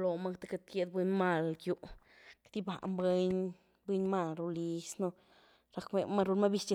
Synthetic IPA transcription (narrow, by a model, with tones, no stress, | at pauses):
lo˨ma˧kt̪e˦ka˧t̪̚kje˧d̪̚be˧ɲma˧˨lɡju˧ʔ | kd̪i˦ba̰˨ʔmbwe˧˦ɲ | bwe˧ɲma˧lɾu˧li˧snu˧ | ɾa˧kme˧ma˧ɾu˧lma˦bi˧st͡ʃa˧